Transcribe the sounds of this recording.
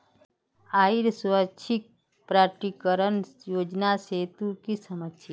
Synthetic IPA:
aːiɾsuɾət͡ʃʰik̚ | pɾaɾʈikəɾənjoːd͡ʒnaset̪ukisəməsja

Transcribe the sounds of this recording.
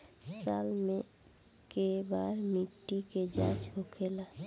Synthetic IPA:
saːlmẽ | kebaːɾmiʈːiked͡ʒa̰ːt͡ʃkokʰela

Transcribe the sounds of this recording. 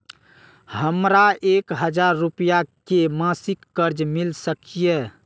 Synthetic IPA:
həmɾaekɦəd͡ʒaɾːupijakemãsikːəɾd͡ʒmilsəkije

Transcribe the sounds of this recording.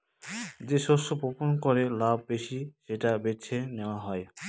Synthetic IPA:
d͡ʑeʃosopoponkɔɾelab̚beʃiʃeʈabet͡ʃʰeneoaɦɔj

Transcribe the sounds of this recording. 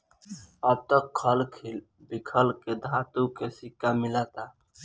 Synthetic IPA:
əb̚t̪əkʰːəlkʰil | bikʰəlked̪ʱat̪ukesikːamilat̪a

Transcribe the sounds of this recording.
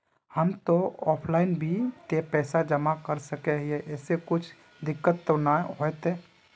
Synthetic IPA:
həmt̪oɔːpʰlaːɪnbʱit̪epɛːsad͡ʒəmakəɾsəkeɦieʔɛːsekʊt͡ʃʰ | d̪ɪkːət̪ːonaɦoet̪eː

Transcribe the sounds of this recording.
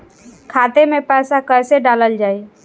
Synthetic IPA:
kʰat̪emepəjsakəjseɖaləld͡ʒaːi

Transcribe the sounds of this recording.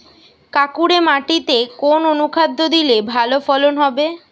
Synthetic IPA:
kakuɾemaʈit̪ekononukʰad̪ʱːod̪ilebʱalofɔlonɦɔbe

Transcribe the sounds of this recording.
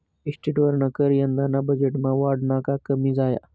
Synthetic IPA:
ɪsʈiʈʋəɾnakəɾiə̃nd̪anãbɐd͡ʒeʈmãʋaːɾɖnaːkakɐmizaːja̰

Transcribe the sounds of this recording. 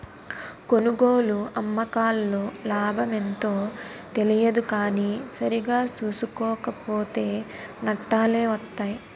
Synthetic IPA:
ko̞nuɡoːluɐmːɐkaːlːoːlaːbʱɐme̞nt̪o̞ːt̪e̞lijɐd̪ukaːniːsɐɾiɡaːsuːsukɔːkɐpoːt̪e̞ːnɐʈːaːle̞ːʋɐt̪ːaːji

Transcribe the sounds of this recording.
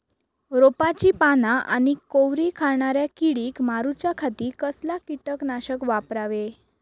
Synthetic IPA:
ɾopat͡ɕiːpanaʔa̰ñikoʋɾikʰaɭɳaɾjakiɽiːkmaɾut͡ɕjakʰat̪iːkəslakiʈəknaɕəkʋapɾaʋe

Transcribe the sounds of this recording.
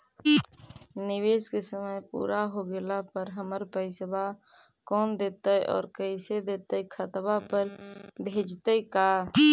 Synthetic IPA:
niweskesəməjpṵɾʔaɦoɡelapəɾɦəməɾpəɪsba | kɔːnd̪et̪əjʔɔ̰ːɾkəsed̪et̪əjkʰət̪bapəɾbʱed͡ʒt̪əjka

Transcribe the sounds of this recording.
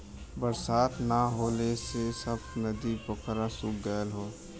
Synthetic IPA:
bəɾsaːt̪naɦoːlesesəbnəd̪ipəkɾãsuɡəːlɦoː

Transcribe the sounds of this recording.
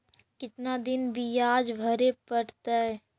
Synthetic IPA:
kɪt̪nad̪ɪnbijaːd͡ʒbʱəɾepəɽt̪aɛ

